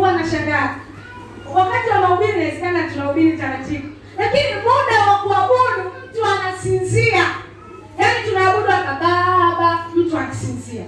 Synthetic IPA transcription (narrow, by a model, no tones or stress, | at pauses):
uwanaʃaŋɡai | wakatiwanaɔɓilinaɛzɛkanatunaɔɓiɾitaɾativɔ | lakinimɔɗawaɡuaɓɔɗum̩tuanasinzia | janitunaːɓuɗuakaɓaɓam̩tuanasinzia